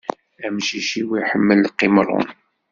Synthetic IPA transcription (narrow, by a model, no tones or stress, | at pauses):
æmʃiʃiwiħəmːəlːqːimɾˤʊ̰n